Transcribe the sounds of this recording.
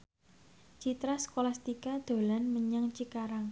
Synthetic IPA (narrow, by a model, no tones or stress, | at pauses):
t͡ʃit̪ɾasə̥kolast̪ikad̪̥o̤lanməɲaŋt͡ʃikaɾaŋ